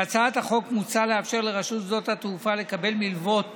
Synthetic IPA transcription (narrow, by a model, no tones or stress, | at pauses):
at͡saat̪haχo̞kmut͡sale̞afʃe̞ʁle̞ʁaʃut̪zo̞t̪hat̪hufale̞kabe̞lmilvo̞t